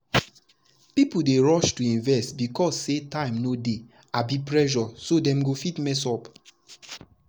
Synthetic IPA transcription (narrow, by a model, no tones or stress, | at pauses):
pipudeɹɔʃtuĩnvɛstbikɔsːetãɪ̃mnode | abipɹɛʒɔsodɛ̃mɡofitmɛs̬ɔp